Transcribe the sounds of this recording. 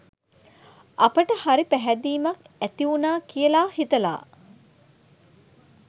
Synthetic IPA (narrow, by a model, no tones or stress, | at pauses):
ɐpəʈəhaɾipæɦæd̪iːmɐk | æt̪iunaːkijəlaːhit̪ɐla̰ː